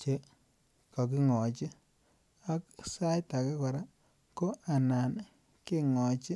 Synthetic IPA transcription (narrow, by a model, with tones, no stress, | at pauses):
t͡ʃe˨ | kɔ˨k̬i˦ŋɔ˨t͡ʃi˦ | a˦ksa˦jta˨kɛ˦ka˨ɾa˦ | ko˦ʔa˨na˨n | ki˦ŋɔ˨t͡ʃi˦